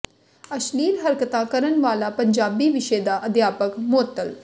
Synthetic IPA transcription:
əʃliːlɦəɾkt̪ãːkəɾənʋaːlaːpəɲd͡ʒaːbiːʋɪʃeːd̪aːʔəd̪jaːpəkmʊət̪ːəl

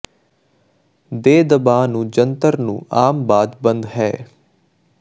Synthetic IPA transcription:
d̪eːd̪əbaːnũːd͡ʒənt̪əɾnṵ̃ːaːmbaːd̪bənd̪ɦɛː

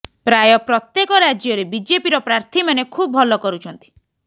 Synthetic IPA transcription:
pɾajɔpɾɔt̪jekɔɾad͡ʒjɔɾebid͡ʒepiɾɔpɾaɾt̪ʰimanekʰubɔbʱɔlɔkɔɾut͡ʃʰɔnt̪i̥

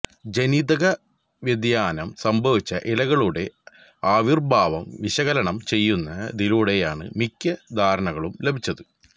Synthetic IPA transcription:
d͡ʑenid̪ɐɣɐ | ʋjɐd̪jaːnɐmsɐmbʱɐʋit͡ɕːɐʔilɐɣɐɭuɽe̞ | aːʋirbʱaːʋɐmʋiɕɐɣɐlɐɳɐmt͡ɕe̞jːunːɐd̪iluɽe̞jaːɳɨ̰mikʲːɐd̪ʱaːɾɐɳɐɣɐɭumle̞bʱit͡ɕːɐðɨ

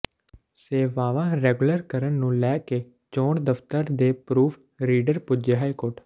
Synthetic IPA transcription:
seːʋaːʋãːɾɛːɡʊləɾkəɾənnũːlɛːkeː | t͡ʃoːɳd̪əft̪əɾd̪eːpɾuːpʰ | ɾiːɖəɾpʊd͡ʒeːɦaːikoːʈ

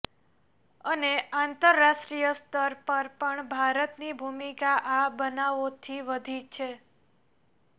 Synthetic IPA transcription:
əneãnt̪əɾːaʃʈɾijəst̪əɾpəɾpəɳbʱaɾət̪nibʱumikaʔabənaʋot̪ʰiʋəd̪ʱit͡ʃʰe

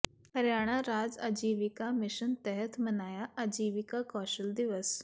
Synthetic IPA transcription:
həɾjaːɽ̃aɾaːd͡za̰d͡ʑiːʋikamɪʃənt̪ɛɦət̪ʰmənaːjaad͡ʑiːʋikakɔʃəld̪iʋəs

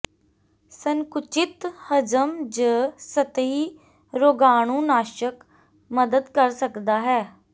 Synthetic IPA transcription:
səŋkʊt͡ʃɪt̪həd͡ʒəmd͡ʒəsət̪iː | ɾoːɡaːɳ̃ũːnaːʃək | məd̪əd̪kəɾsəkd̪aːɦɛː

